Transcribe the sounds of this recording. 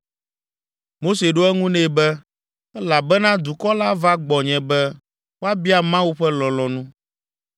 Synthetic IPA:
mo˦se˨ɖo˦ɛ˦ŋũ˦nɛ̃˨bɛ˦ | ɛ˦la˨bɛ˦nã˦d̪u˨kɔ˦la˦va˦ɡ͡bɔ˨ɲɛ̃˨bɛ˦ | wo˦a˦bi˦a˨mã˦wu˦ɸɛ˦lɔ̃˨lɔ̃˨nũ˦

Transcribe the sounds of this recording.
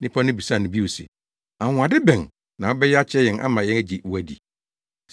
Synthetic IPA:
nɪ̃˦pʰã˦nɪ̃˦bi˨sa˦˨nʊ̃˨bi˦wo˨sḭ˨ | a˨ŋ̃ʷ˨a˨dɪ˦bɛ̃˨ŋ | nã˨wɔ˦bɛ˦jɛ˦a˦t͡ɕʰɪ˦ɛ˦jɛ̃˨nʔa̰˦mã˨jɛ̃˦næ˦d͡ʑi˨wæ˦dḭ˨

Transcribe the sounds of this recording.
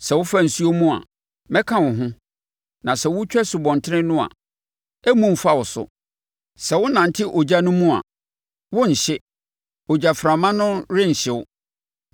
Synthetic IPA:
sɛ˨wʊ˦fa˦n̩˨su˦o˦mũ˦a̰˨ | mɛ̃˦kʰã˦wʊ̃˨ɦʊ̃˦ | nã˨sɛ˨wʊ˦t͡ɕᶣɛ˦sʊ˨bɔ̃˨ntʰɪ˦ɾɪ̃˦nʊ̃˦a̰˨ | ɛ˦mũ˦m̩˨fa˦wʊ˨sʊ̰˦ | sɛ˨wʊ˦nã˨n̩˨tʰɪ˦ʔɔ˨d͡ʑa˦nʊ̃˦mũ˦a̰˨ | wʊ˦ɲ̩˨ɕɪ˦ | ɔ˨d͡ʑa˨fɾa˨mã˦nʊ̃˦ɾɪ̃˦ɲ̩˨ɕɪ˨wʊ˦

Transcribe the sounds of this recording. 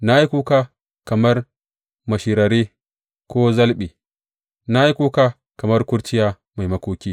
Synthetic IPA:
na˦ji˦ku˦kaː˦ | kɐ˨mɐ˦r | mɐ˨ʃiː˨ɾɐ˨ɾi˦ | kʷoː˦zɐ˦lɓiː˨ | na˦ji˦kʷuː˦ka˦ | kɐ˨mɐ˦rkʷʊ˦ɽt͡ʃɪ˦jaː˦ | ma˨jmɐ˦kʷoː˦kʲiː˦

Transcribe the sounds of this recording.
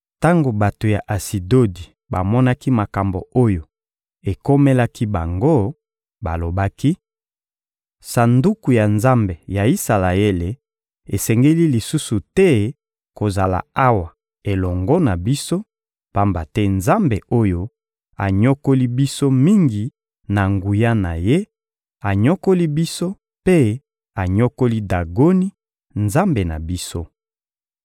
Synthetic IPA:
ta˦ŋɡo˨ba˨to˨ja˨ʔa˨si˨do˦di˨ | ba˨mɔ˦na˦ki˦ma˨ka˨mbo˨o˦jo˨ | e˨ko˦me˦la˦ki˦ba˨ŋɡo˦ | ba˨lo˨ba˦ki˦ | sa˨ndu˦ku˨ja˨nza˦mbe˨ja˨i˦sa˨la˨e˦le˨ | e˨sɛ˨ŋɡe˦li˦li˨su˦su˨tɛ˦ | ko˨za˨la̰˨a˦wa˨ | e˨lɔ˨ŋɡɔ˦na˨bi˦so˦ | pa˦mba˨tɛ˦nza˦mbe˨o˦jo˦ | a̰˨ɲo˦ko˦li˦bi˦so˦mi˦ŋɡi˨ | na˨ŋɡu˨ja˦na̰˨je˦ | a˨ɲɔ˦ko˦li˦bi˦so˦ | pe˦ | a˨ɲo˦ko˦li˦da˨ɡo˦ni˦ | nza˦mbe˨na̰˨bi˦so˦

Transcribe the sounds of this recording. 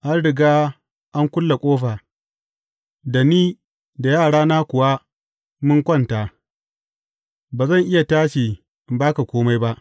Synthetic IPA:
ʔa˦nɽɪ˨ɡaː˦ | ʔa˦ŋkʷʊ˦lːa˨kʷʼoː˦ɸaː˨ | da˨niː˦ | da˨jaː˦˨ɽaː˦naː˦kʷʊ˨wa˦ | mʊ˦ŋkʷɔ˦˨nta˨ | baː˨zɐ˦˨ŋʔɪ˦ja˨taː˦ʃiː˨ | ɪ˨baː˦ka˨kʷoː˦ma˦jba˦ʔ

